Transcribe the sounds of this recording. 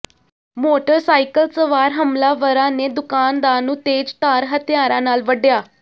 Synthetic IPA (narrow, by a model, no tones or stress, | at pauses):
moːʈəɾsaːikəlsəʋaːɾɦəmlaːʋəɾãːneːd̪ʊkaːnd̪aːnũːt̪eːd͡ʒt̪aːɾɦət̪ɪjaːɾãːnaːlʋəɖjaː